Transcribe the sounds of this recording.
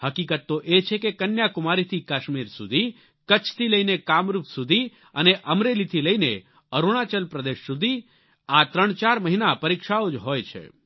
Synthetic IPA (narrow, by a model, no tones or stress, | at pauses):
həkikət̪ːoʔet͡ʃʰekekənjakʊmaɾit̪ʰikaʃmiɾsud̪ʱi | kət͡ʃʰt̪ʰiləinekamɾupsud̪ʱi | əneʔəmɾelit̪ʰiləine | əɾuɽ̃at͡ʃəlpɾəd̪eʃsud̪ʱi | at̪ɾəɳt͡ʃaɾməɦinapəɾikʃaod͡ʒɦojt͡ʃʰḛ